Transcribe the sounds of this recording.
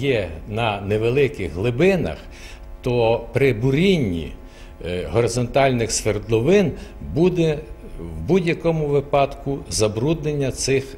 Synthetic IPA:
jɛnɐneʋelˠɪkɪɣɦlˠɪbɪnɐ̰x | t̪ɔpɾɪbʊɾʲinʲːḭ | ɦɔɾezɔnt̪ɑlʲnɪxsʋerd̪lˠɔʋɪnbud̪ɛwbudʲjɐkɔmʊʋɪpɑd̪kuzɐbɾud̪nenʲːɐt̪sɪx

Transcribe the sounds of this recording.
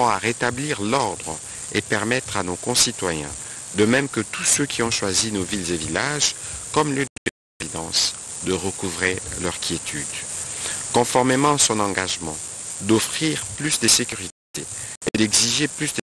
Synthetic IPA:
ɑ̃aʁet̪abliʁlɔʁd̪ʁə | ḛpɛʁmɛt̪χanokɔ̃sit̪wajɛ̰̃d̪əmɛmkət̪usøkʲʰiɔ̃ʃwazinovilzevilaʒkɔmlyd̪e | vid̪ɑ̰̃s | d̪əʁəkuvʁilœʁkʲʰjet̪ʰyd̪ | kɔ̃fɔʁmemɑ̃asɔ̃nɑ̃ɡaʒmɑ̰̃d̪ɔfχiʁplysd̪esekʲyʁit̪eed̪ɛɡziʒeplysd̪e

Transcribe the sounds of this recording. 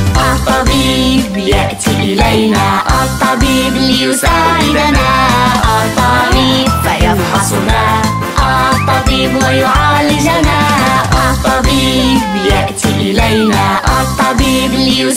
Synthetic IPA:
ʔɑt̪ˤːɑbiːb | jaʔt̪iʔɪlajnaːʔɑt̪ˤːɑbiːblɪjʊsaːʕɪd̪anaː | t̪ˤːɑbiːbfajɑnħɑsˤnaː | ʔɑ | t̪ˤːɑbiːbwajʊʕaːlɪd͡ʒamaːʕʔɑt̪ˤːɑbiːb | jaʔt̪iːʔɪlajnaːʔɑt̪ˤːɑbiːblɪjʊ

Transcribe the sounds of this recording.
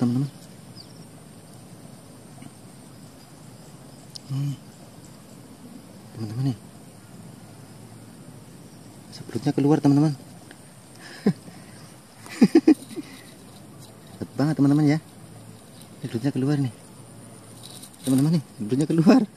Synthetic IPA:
t̪amant̪aman | t̪amant̪amani | sabəɾut̪̚ɲakəluart̪amant̪aman | at̪baŋət̪ːamant̪amanja | nakɾut̪̚ɲakəluarni | t̪amant̪amaniɾut̪̚ɲakəluar

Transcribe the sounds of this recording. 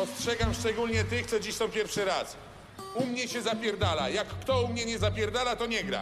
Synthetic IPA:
ɔstʂɛɡamʂt͡ʂɛɡulɲɛt̪ɘxt̪sɔd͡ʑiɕsɔ̃w̃pʲjɛɾfʂɘɾas | umɲɛɕɛzapʲjɛɾd̪ala̰jakːt̪ɔumɲɛɲɛzapʲjɛɾd̪alat̪ɔɲɛɡɾa̰

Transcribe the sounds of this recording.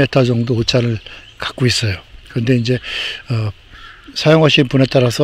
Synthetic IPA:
etʰad͡ʑʌŋdoot͡ɕʰaɾɯɭ | kḁk͈ois͈ʌjokɯɾʌnde̞ind͡ʑe̞ʌ | sʰajoŋɦwaɕ͈inponɦe̞t͈aɾasʰʌ

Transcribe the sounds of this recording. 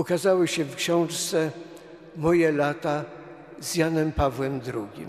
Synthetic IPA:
ukazawɘɕɛfkɕɔ̃w̃ʂt̪sɛ | mɔjɛlat̪a | zjanɛmpavwɛmd̪ɾuɡʲḭm

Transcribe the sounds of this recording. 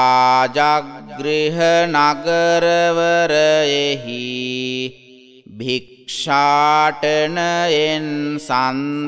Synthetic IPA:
aːd͡ʒaɡɾiɦɐnaɡɐɾɐʋɐɾɐjeɦi | bʱikʂaːʈɐɳɐensan

